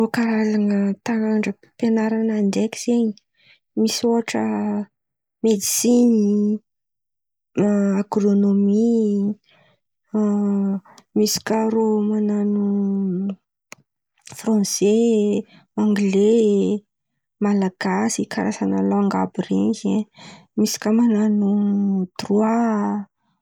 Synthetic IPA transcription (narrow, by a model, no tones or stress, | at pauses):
okaɾalaŋət̪aaɳɖ͡ʐə | penaɾanandekʲiz̥eɲi̥ | misioaʈ͡ʂə | med̪isini | aɡɾonomi | misi̥kaɾomananu | frɑ̃se | aŋɡle | malaɡ̥asikʰaɾasanaloaŋɡabiɾiŋɡe | misi̥kəmananud̪rua